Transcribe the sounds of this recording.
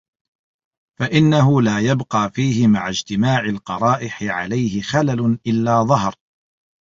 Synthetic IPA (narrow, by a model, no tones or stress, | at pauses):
faʔɪnːaɦʊlaːjabqɑːfiːhɪmaʕad͡ʒt̪ɪmaːʕalqɑɾˤɑːʔɪħɪʕa̰lajhɪxalalʊnʔɪlːaːðˤɑhɾ